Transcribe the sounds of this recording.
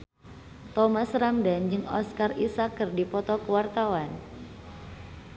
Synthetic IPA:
t̪ɔmasɾamdand͡ʒɨŋɔ̰skarisakːɨrdipɔt̪ɔkəwart̪awan

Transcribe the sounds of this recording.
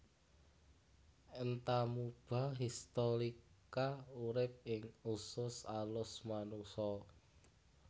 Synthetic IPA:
ənt̪amub̥a̤ɦist̪oɾikauɾɪp̚ɪŋusʊsalʊsmanusɔ

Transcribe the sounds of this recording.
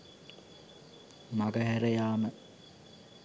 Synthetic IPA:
maɡəɦæɾɐjaːmə

